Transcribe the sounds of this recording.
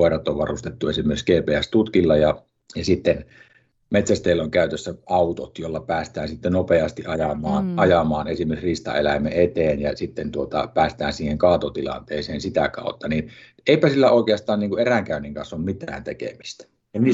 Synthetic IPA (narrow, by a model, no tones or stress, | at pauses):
oˑerɑt̪ːoʋʋɑrust̪et̪ːuesimːˑerkskeːpeːæst̪ut̪kilːɑjɑ | jɑsit̪ːen | met̪sæst̪eˑilːoŋkæˑyt̪øsːæɑˑut̪o̰t̪jolːɑpæːst̪æːnsit̪ːenopeɑst̪iʔʔɑjɑmˑɑːnʔɑjɑmˑɑːnesimˑerksrist̪ɑ̰elæˑmˑeet̪eːnjɑsit̪ːent̪uot̪ɑ̰pæːst̪æːnsiːheŋkɑːt̪ot̪ilɑ̰nt̪eːseːnsit̪ækɑ̰ˑut̪ːɑnin | eˑipæsilːæoˑikeɑst̪ˑɑːnniŋkuʔʔeræŋkæˑøniŋkɑnsːˑommit̪æ̰ːnt̪ekḛmist̪æ̥ | ɑni